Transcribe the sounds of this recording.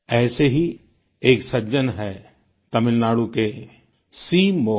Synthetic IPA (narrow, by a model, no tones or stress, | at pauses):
ɛːseɦi | eːksɐd͡ʒənɦɛ | t̪ɐmɪlnaːɽuke | siːmoː